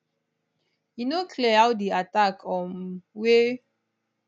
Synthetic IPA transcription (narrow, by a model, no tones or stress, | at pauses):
jinokʰliaʊdiatakʰɔ̃nwe